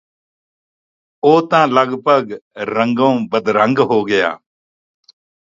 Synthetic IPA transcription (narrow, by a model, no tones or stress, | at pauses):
oːt̪ãːləɡbʱəɡɾəŋɡõːbəd̪ɾəŋɡɦoːɡɪja̰ː